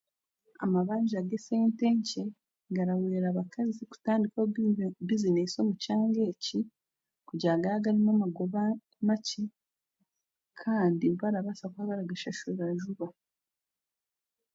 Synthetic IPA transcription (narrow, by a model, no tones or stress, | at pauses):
a̰maβaːɲɟiaɡeseːnteːɲce | ɡaɾaweːɾaːβakaziku̥taːndikwaβizineso̞ːmucaːŋɡe̞ːci | kuɟaːɡaɾaɡaɾimamaɡoβa | maci | kʰaːndiβaɾaβasakwaːβaɾaɡaʃaʃuɾeβaʒuβa